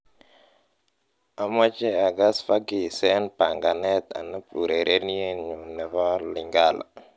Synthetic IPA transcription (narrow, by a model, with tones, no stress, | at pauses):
a˨ma˦t͡ʃɛ˦a˨ɡa˦sfa˦ɡi˨sɛ˦npa˨ŋɡa˨nɛ˦t̪a̰˨nə˦pu˨ɾe˨ɾʔe˦n˦e˦ɲu˨nɛ˨bɔ˦lɪ˨ŋɡa˦la̰˨